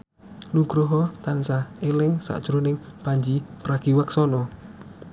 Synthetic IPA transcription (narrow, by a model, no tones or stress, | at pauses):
luɡ̥ɾoɦɔt̪ansaelɪŋsa̰ʔd̥ʒ̥ɾunɪŋpaɲd͡ʒipɾaɡ̥iwaksɔnɔ